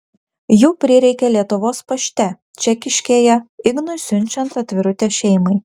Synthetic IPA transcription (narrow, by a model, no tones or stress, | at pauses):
juːpʲɾʲɪɾʲɛɪkʲɛlʲiɛt̪ʊʋoːspɐʃʲt̪ʲɛ | t͡ʃʲɛkʲɪʃʲkʲeːjɛɪɡnʊsʲʊnʲt͡ʃʲɛnt̪ɐt̪ʲʋʲɪɾʊt̪ʲeːʃʲɛɪmɐɪ